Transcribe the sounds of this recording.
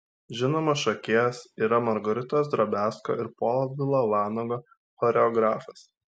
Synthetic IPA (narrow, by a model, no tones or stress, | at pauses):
ʒʲɪnoːmɐsʃɐkʲeːsiːɾɐmɐɾɡɔɾʲɪt̪oːsd̪ɾɐbʲæːsko̰ːʔɪɾpoːlˠʋʲɪlˠoːʋɑːnoːɡoː | xɔɾʲɛɔɡɾɑːfɐs